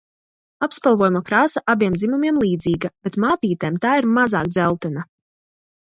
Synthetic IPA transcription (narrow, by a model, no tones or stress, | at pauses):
apspalˠvɔːjumɔkɾaːsaʔabiɛmd̪zimumjiɛmlˠiːd̪ziːɡab̥et̪maːt̪iːt̪eːmt̪aːiɾmaza̰ːkd̪zɛlˠt̪ɛna